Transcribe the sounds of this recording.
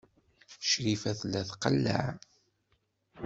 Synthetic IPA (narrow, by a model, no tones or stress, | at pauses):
ʃɾifæθlæθqəlːæ̰ʕ